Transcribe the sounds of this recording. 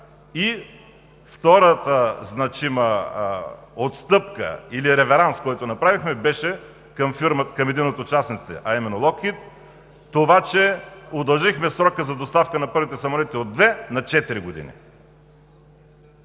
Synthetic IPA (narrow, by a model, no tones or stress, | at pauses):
i | ft̪ɔɾət̪əznɐt͡ʃimə | ot̪st̪ɤpkə̰iliɾɛvɛɾanskɔjt̪onɐpɾavixmɛbɛʃɛ | kɐmfiɾməkɐmɛd̪inot̪ot͡ʃasnit̪sɛ̰ʔɐimɛnːolˠɔkit̪ː | ovat͡ʃɛod̪ɐlˠʒixmɛsɾɔkəzɐd̪ost̪afkənɐpɤɾvit̪ɛsɐmolɛt̪iod̪ːvɛnɐt͡ʃɛt̪iɾiɡod̪ḭnḭ